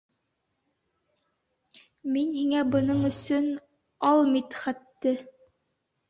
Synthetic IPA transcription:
minhiŋæbɤ̆nɤɴɵ̆sɵn | ɑlˠmit̪χæt̪ːɘ

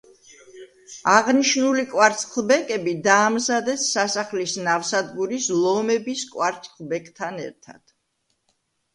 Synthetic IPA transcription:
aʁniʃnulikʼwaɾt̪sʰʼχʰlˠbɛkʼɛbid̪aːmzad̪ɛsːasaχlisnafsad̪ɡuɾislˠɔmɛbiskʼwaɾt̪sʰʼqʰlˠbɛkʼt̪ʰanɛ̰ɾt̪ʰa̰d̪̥

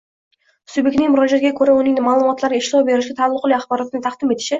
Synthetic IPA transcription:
sujbekʲnɪŋmʊɾɑʒat̪ɡʲakʰɵɾaʊnɪŋnɪmaːlˠʊmɒt̪lˠaɾɡʲaɪʃlˠɒwbe̞ɾɪʃɡʲat̪ʰalˠːʊqlˠijaχbɒɾɑt̪ʰɪnɪt̪ʰɑqd̪ɪme̞t̪ɪ̥ʃɪ

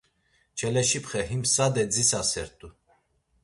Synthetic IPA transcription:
t͡ʃʰɛlɛʃipχɛɦimsad̪ɛd͡zisasɛɾt̪ʼu

